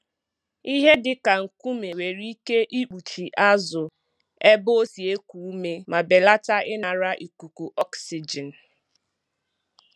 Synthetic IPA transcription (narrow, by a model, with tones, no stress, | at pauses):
i˦ɦe˦dɪ˨ka˨ŋ̩˨ku˦me˨we˨ɾi˦ke˦ʔi˦k͡pu˨t͡ʃi˨ʔa˦zʊ˨ | e˦bo˦o˦si˨e˦ku˨u˦me˦ma˨be˨la˦ta˦ʔɪ˦na˨ɾa˦ʔi˨ku˨ku˨ʔɔ˦ksi˨d͡ʒɛ˨n̩˨